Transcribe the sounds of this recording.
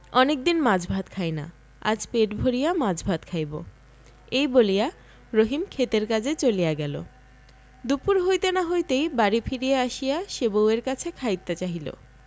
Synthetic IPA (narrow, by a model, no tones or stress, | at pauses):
ɔnek̚d̪inmad͡ʑbʱat̪kʰajna̰ | a̰d͡ʑpeʈbʱoɾijamad͡ʑbʱat̪kʰajbo̰ | ejbolija | ɾoɦimkʰet̪eɾkad͡ʑʱet͡ɕolijaɡɛlo̰ | d̪upuɾɦojt̪enaɦojt̪ejbaɾifʰiɾijaaʃijaʃeboweɾkat͡ɕʰekʰajt̪ːet͡ɕaɦilo̰